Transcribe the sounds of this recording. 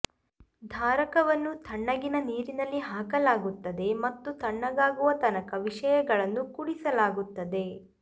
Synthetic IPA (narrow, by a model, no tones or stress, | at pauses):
d̪ʱaːɾɐkɐʋɐnːut̪ʰɐɳːɐɡinɐniːɾinɐlːiɦaːkɐlaːɡut̪ːɐd̪e̞mɐt̪ːut̪ʰɐɳːɐɡaːɡuʋɐt̪ɐnɐkɐʋiʂɐjɐɡɐɭɐnːukuɽisɐlaːɡut̪ːɐd̪e̞